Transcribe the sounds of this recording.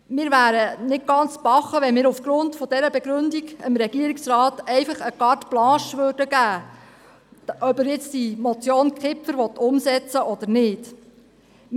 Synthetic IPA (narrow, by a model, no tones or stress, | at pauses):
mɪːɾʋæːɾənɪt̚ɡ̥ɑnt͡sb̥ɑχəʋɛnmɪːɾufɡ̥ɾʊntfɔd̥ɛɾəbɛɡɾɵndiɡɪmɾɛɡiəɾiksɾɑːtɛɪfɑχəkɑrtb̥lɑ̃ːʃʋøːrdəɡæː | ʔœbəɾjɛt͡stimɔt͡sjoːnkʰɪpfəɾʋɔt̪ːʊmsɛt͡səʔɔd̥̪əɾnɪːd̥